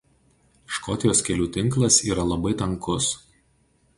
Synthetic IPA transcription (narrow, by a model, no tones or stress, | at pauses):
ʃkɔt̪ʲɪjoːskʲɛlʲuːt̪ʲɪŋklˠɐsiːɾɐlˠɐbɐɪt̪ɐŋkʊs